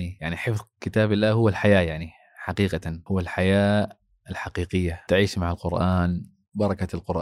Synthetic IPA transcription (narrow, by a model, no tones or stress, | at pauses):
nijaʕniħɪfðˤkɪt̪aːbɪlːaːɦʊwːalħajaːjaʕni | ħaqiːqahʊwːalħajaː | ɪlħaqiːqɪjːat̪ɪʕiːʃmaʕalqʊɾʔaːn | bɑɾˤɑkalqʊɾʔ